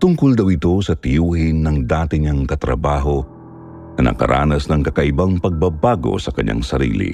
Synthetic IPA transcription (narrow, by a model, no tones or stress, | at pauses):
t̪ʊŋkold̪ɐwɪt̪o̞sɐt̪ɪjuːhɪnːɐŋd̪aːt̪ɪɲɐŋkɐt̪ɾɐbaːɦo̞ | nɐnɐ̰kɐ̰ɾʔa̰ːnɐsnɐŋkɐkɐʔɪbaŋpɐɡ̚bɐbaːɡo̞̰sɐkɐɲːa̰ŋsɐɾḭːlḭ